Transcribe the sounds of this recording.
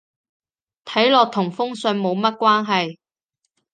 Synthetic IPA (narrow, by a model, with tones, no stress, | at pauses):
t̪ʰɐ˨˥jlɔː˨k̚t̪ʰʊ˨˩ŋfʊ˥ŋsɵ˧nmo˨˧wmɐ˥t̚kwaː˥nɦɐ˨j